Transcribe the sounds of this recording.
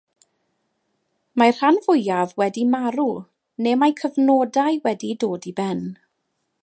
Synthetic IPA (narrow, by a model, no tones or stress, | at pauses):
mar̥anvʊjavwɛdimaɾu | neːmajkʰəvnɔːdajwɛdidoːdibɛn